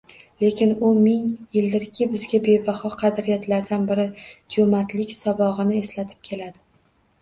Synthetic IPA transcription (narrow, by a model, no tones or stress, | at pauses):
le̞kʲʰɪnʊmɪŋjɪld̪ɪɾkʲʰɪbɪzɡʲabe̞bahɒqʰɑd̪ɾijat̪laɾd̪anbɪɾɪd͡ʒomat̪lɪkʲsabɒʁɨnɪe̞slat̪ʰɪ̥p̚kʲʰe̞lad̪ɪ